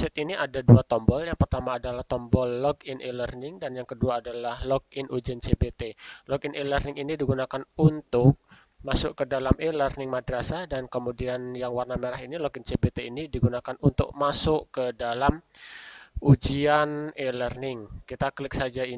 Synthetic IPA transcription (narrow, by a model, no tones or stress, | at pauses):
sɛt̪̚iniʔadaduat̪ɔmbɔljaŋpərt̪amaːdalaht̪ɔmbɔlːɔɡɪnʔelərnɪŋdanjaŋkəduaːdalahlɔɡ̚ɪnʔud͡ʒiant͡ʃebet̪elɔɡɪnʔelərnɪŋinidiɡunakanunt̪ʊk̚ | masʊʔkədalamʔelərnɪŋmadɾasadankəmudianjaŋwarnameɾaɦinilɔɡɪnt͡ʃebet̪einidiɡunakanunt̪ʊ̰k̚masʊʔkədalam | ud͡ʒianelərnɪŋkit̪aklɪk̚sad͡ʒai